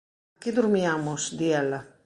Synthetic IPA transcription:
ked̪uɾmjamusd̪iɛla

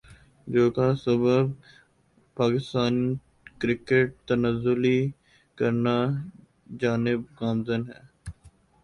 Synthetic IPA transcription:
d͡ʒoːkasəbəb | paːkɪst̪aːni | kɾɪkeʈ̚t̪ənəzːʊli | kəɾna | d͡ʒaːnɪbkaːmzənɦɛ̰ː

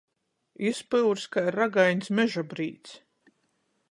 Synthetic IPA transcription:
ispɨwɾskajɾaɡajnʲsmʲɛʒabɾiːt̪s

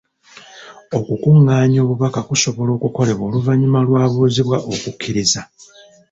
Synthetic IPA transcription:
o̞kukuŋːaːɲo̞ːβuβakakuso̞βo̞lo̞ːkuko̞le̞βo̞ːluvaɲimalwaːβuːziβwaʔo̞kukʰːiɾiza

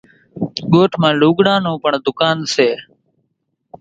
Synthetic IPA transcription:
ɠoːʈʰmãːluːɠɽãːnũːpəɳd̪ʊkaːnseː

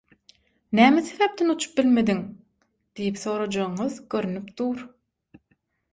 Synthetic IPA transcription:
næːmeseβep̚t̪ʰenut͡ʃʰu̥p̚bilme̞d̪iŋ | d̪̥ijipθo̞ːɾɑd͡ʒɑɯɴɯðɡøɾynypd̪̥uːɾ

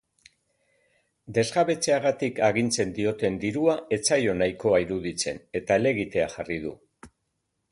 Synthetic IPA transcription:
d̪e̞zɣaβe̞t͡se̞aɣat̪ikaɣint͡se̞nd̪io̞t̪e̞nd̪iɾuae̞t͡sajo̞najko̞aiɾuðit͡se̞̰ne̞t̪aele̞ɣit̪e̞axarið̞ṵ

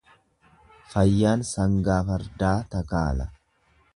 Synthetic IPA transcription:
fɐjːaːnsɐŋɡaːfɐɾd̪aːt̪ɐka̰ːlɐ

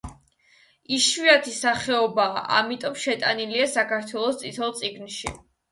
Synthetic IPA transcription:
iʃviat̪ʰisaχɛɔbaːʔa̰mit̪ʼɔmʃɛt̪ʼaniliasakaɾt̪ʰwɛlˠɔst̪sʼit̪ʰɛlˠt̪sʼiɡnʃi

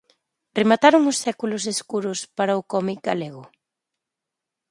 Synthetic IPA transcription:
remat̪aɾʊŋʊsːɛkulʊseskuɾʊspaɾaʊkɔmik̚ɡaleɣ̞ʊ

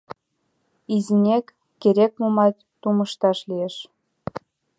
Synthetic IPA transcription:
izinʲekː | eɾʲek̚mumɑtʲ | t̪uməʃt̪ɑʃlieʃ

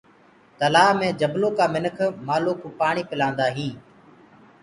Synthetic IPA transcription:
t̪əlaːɦmẽːd͡ʒəbloːkaːmɪnəkʰmaːloːkʰuːpaːɳ̃iːpɪlãːnd̪aːɦĩː

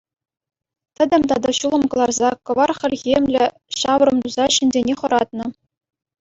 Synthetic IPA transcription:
t̪ʲɘ̆d̪ʲɘ̆mʲt̪ɑd̪ɑɕulˠɤ̆mkɤ̆lˠɑrzɑkɤ̆ʋɑrχʲɘ̆lʲɣʲemʲlʲɘ̆ | ɕɑʋɤ̆rɤ̆mt̪uzɑɕɘ̆nʲzʲenʲeχɤ̆ɾɑt̪̚nɤ̆

